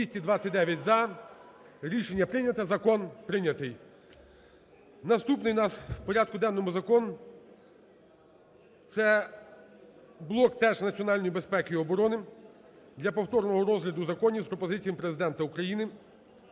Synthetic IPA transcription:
isʲtʲid̪ʋɑt͡sʲɐtʲd̪ɛʋʲjɐtʲzɐ | ɾʲiʃenʲːɐpɾɪnʲɐt̪ɐzɐkɔnpɾɪnʲɐt̪ɪj | nɐst̪upnɪjwnɑswpɔɾʲɑd̪̚kʊd̪ɛnːɔmʊzɐkɔnʊ | t̪sɛ | blˠɔkt̪ɛʒnɐt͡sʲiɔnɑlʲnɔjibespɛkɪjɔbɔɾɔnɪ | d̪lʲɐpɔwt̪ɔrnɔɦɔɾɔzɦlʲɐd̪ʊzɐkɔnʲispɾɔpɔzɪt͡sʲijɐmpɾe̞zɪd̪ɛnt̪ɐukɾɐjinɪ

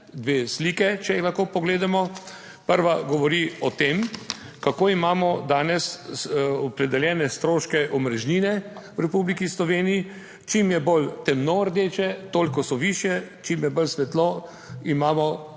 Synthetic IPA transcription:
d̪ʋeːsliːkɛt͡ʃɛixlaxkoːpɔɡleːd̪amɔ | pəɾʋaɡɔʋɔɾiɔt̪eːm | kakoːimaːmɔd̪aːnɛs | ɔpɾɛd̪ɛljɛːnɛst̪ɾoːʃkɛʔɔmɾɛʒniːnɛwɾɛpuːblikislɔʋeːnii | t͡ʃimjɛbolt̪ɛmnɔəɾd̪eːt͡ʃɛt̪oːlikɔsɔʋiːʃjɛt͡ʃimjɛbəlsʋɛt̪lɔ | imaːmɔ

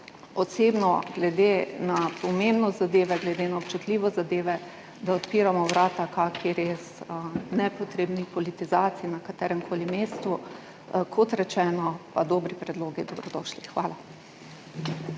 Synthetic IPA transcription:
ɔt̪sebnɔɡlɛd̪enapɔmembnɔzad̪eːʋɛɡlɛd̪eːnaɔpt͡ʃut̪liːʋɔzad̪eːʋɛ | d̪aɔt̪piːɾamɔʋɾaːt̪akakʰiɾeːsnɛpɔt̪ɾeːbnixpɔlit̪izaːt̪sijinakat̪ɛːɾɛmkʰoːlimeːst̪u | kʰɔt̪ɾɛt͡ʃɛːnɔpad̪ɔːbɾipɾɛd̪loːɡid̪ɔbɾɔd̪ɔːʃlixʋaːla

